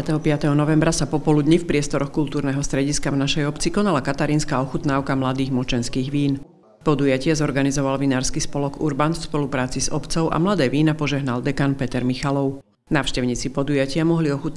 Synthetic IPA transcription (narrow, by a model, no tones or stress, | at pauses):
at̪ɛɦɔpɪat̪ɛɦɔnɔʋɛmbɾasapɔpɔlud̪ɲifpɾɪɛst̪ɔɾɔxkult̪uːɾnɛːɦɔst̪ɾɛɟiskavnaʃɛjɔpt͡sikɔnalakat̪aɾiːnskaɔxut̪naːʊkamlad̪iːɣmɔt͡ʃɛnskiːɣʋiːn | pɔd̪ujacɪazɔɾɡanizɔʋalʋinaːɾskispɔlɔɡuɾbanfspɔlupɾaːt͡siz̥ɔpt͡sɔʊʔa̰mlad̪ɛːʋiːnapɔʒɛɦnald̪ɛkanpɛt̪ɛɾmixalɔʊ | naːʊʃcɛʊɲiːt͡sipɔd̪ujacɪamɔɦliɔxut̪